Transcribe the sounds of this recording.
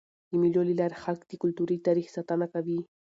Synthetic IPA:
ɪmɪʎolɪlaɾhalkt̪ɪkʊlt̪ʊɾit̪aɾɪχsat̪anakad̪iː

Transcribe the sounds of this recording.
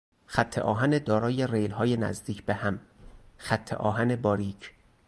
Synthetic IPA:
xæt̪ʰːeʔɒːɦæned̪ɒːɾɒːje̞rejlhɒːjenæ̰zd̪iːcʰbehæmxæt̪ʰːḛʔɒːɦæne̞bɒːɾiːcʰ

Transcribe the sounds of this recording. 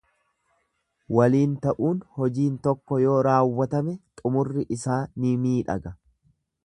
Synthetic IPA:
wɐliːnt̪ɐʔuːnhɔd͡ʒiːnt̪ɔkːɔjo̞ːɾaːwːɐt̪ɐmɛt̪ʼʊmʊrːɪʔɪsaːnɪmiːᶑɐ̰ɡɐ

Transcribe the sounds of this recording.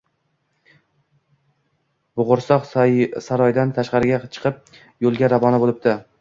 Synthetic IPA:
bʊʁʊɾsɒqsaɾɒjd̪ant̪ʰaʃqɑɾɪɡʲat͡ʃʰɨ̥qʰɨp̚ | jolˠɡʲaɾavɒnabolˠɪp̚t̪ɪ

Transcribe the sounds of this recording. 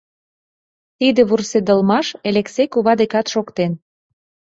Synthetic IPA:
t̪id̪ĕβursed̪ə̆lmɑʃeleksekuβɑd̪ekɑt̪ʃokt̪en

